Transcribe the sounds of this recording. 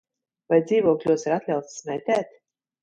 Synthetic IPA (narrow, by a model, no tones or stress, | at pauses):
vajd̪ziːvuɔklʲuɔsaɾat̪lʲawt̪smʲɛjt̪ʲɛːt̪